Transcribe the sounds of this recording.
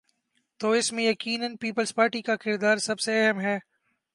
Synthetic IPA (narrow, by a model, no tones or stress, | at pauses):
t̪oːɪsmẽjɐkiːnənpiːpəlzpaːɾʈikakɪɾd̪aːɾsɐbseɛɦəmɦɛː